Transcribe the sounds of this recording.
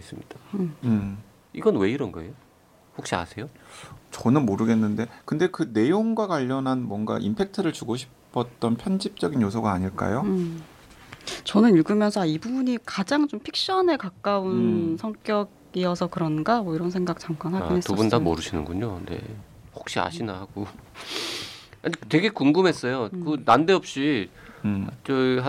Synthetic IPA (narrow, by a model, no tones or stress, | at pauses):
es͈ɯmɲid̥aɯ | iɡʌnwe̞iɾʌnɡʌe̞jo | hok̚ɕ͈ia̰sʰe̞jot͡ɕʌnɯnmoɾɯɡe̞nːɯnde̞kɯnde̞kɯne̞joŋɡwakwaʎːʌnɦanmwʌŋɡa̰ʔḭmpʰe̞k̚tʰɯɾɯɭt͡ɕuɡoɕʰi̥pʰʌt̚t͈ʌnpʰjʌnd͡ʑip̚t͡ɕ͈ʌɡinjos̬ʰʌɡaːɲiɭk͈a̰jo | t͡ɕʌnɯniɭɡɯmjʌnsʰʌaibubuɲikad͡ʑaŋt͡ɕompʰik̚ɕ͈ʌnekak͈aunsʰʌŋk͈jʌɡ | iʌsʰʌkɯɾʌnɡamʌiɾʌnsʰeŋɡak̚t͡ɕ͈aŋk͈anɦaɡinɦestubundamo̰ɾɯɕʰinɯ̰nɡuɲonḛhok̚ɕ͈ia̰ɕʰinahaɡo | aɲitwe̞ɡe̞kuŋɡɯmɦe̞s͈ʌjokɯnandeʌp̚ɕ͈i | t͡ɕo